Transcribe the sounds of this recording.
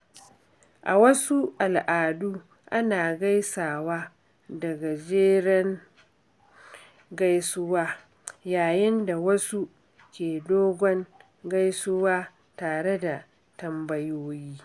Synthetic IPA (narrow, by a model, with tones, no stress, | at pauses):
ʔa˨wɐ˦su˦ʔa˨lʔaː˨duː˦ | ʔa˦naː˨ɡa˦jsaː˨waː˦ | dɐ˨ɡa˨d͡ʒeː˦ɽɛ˦ŋ | ɡa˦jsʊ˦waː˦ | jaː˨jɪ˦nda˨wɐ˦su˦ | kʲeː˨doː˦ɡʷɔ˦ŋ | ɡa˦jsʊ˦waː˦ | taː˨ɽe˦da˨ | tɐ˦mbɐ˦joː˦jiː˦